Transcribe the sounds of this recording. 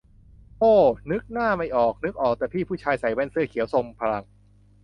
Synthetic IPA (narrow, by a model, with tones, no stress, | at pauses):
ʔoː˧˩nɯ˦˥k̚naː˥˩ma˧˩jʔɔː˨˩k̚nɯ˦˥k̚ʔɔː˨˩k̚t̪ɛː˨˩pʰiː˥˩pʰuː˥˩t͡ɕʰaː˧jsa˩˦jwɛ˧˥˨nsɯ˧ɐkʰi˨˦wso˧mpʰa˧ɾa˧ŋ